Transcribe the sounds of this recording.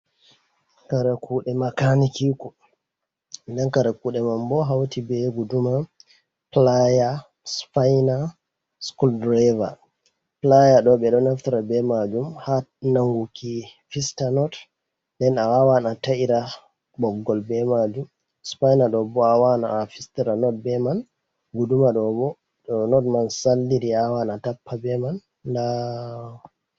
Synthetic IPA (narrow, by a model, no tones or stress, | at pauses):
kaɾɛkuːɗɛmakanikikɔ | ndɛnkaɾɛkuːɗɛmambɔɦawtibɛɡuduma | plaja | spajna | skuldɾɛva̰ | plajaɗɔɓɛɗɔnaftiɾabɛmad͡ʒumhanaŋɡukifistanɔt | dɛnawawanataʔiɾa | bɔɡːɔlbɛmad͡ʒum | spajnaɗɔbɔawanaːfistiɾanɔt̚bɛman | ɡudumaɗɔbɔ | ɗɔnɔtmansalːiɾiawanatapːabɛman | da